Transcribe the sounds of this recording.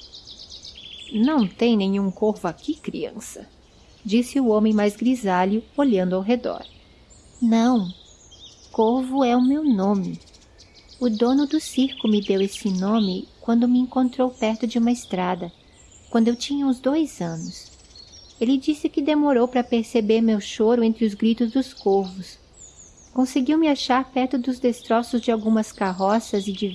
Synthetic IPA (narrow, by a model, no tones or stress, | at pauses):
nɐ̃w̃t̪ẽj̃nẽɲ̃ũŋkoɾvʊakikɾḭɐ̰̃sɐ̰ | d͡ʒisɪʊõmẽj̃majzɡɾizaʎʊoʎɐ̃nd̪ʊawɦed̪ɔ̰ɾ | nɐ̃w̃ | koɾvʊɛʊmewnõmɪ | ʊd̪õnʊd̪ʊsiɾkʊmɪd̪ewesɪnõmɪkwɐ̃nd̪ʊmɪẽŋkõnt̪ɾowpɛɾt̪ʊd͡ʒɪũmɐest̪ɾad̪ɐ | kwɐ̃nd̪ʊewt͡ʃĩɲɐũzd̪ojzɐ̃nʊs | elɪd͡ʒisɪkɪd̪emoɾowpɾɐpeɾsebeɾmewʃoɾʊẽnt̪ɾɪʊzɡɾit̪ʊzd̪ʊskoɾvʊs | kõseɡiwmɪaʃaɾpɛɾt̪ʊd̪ʊzd̪est̪ɾɔsʊzd͡ʒɪawɡũmɐskaɦɔsɐzɪd͡ʒɪ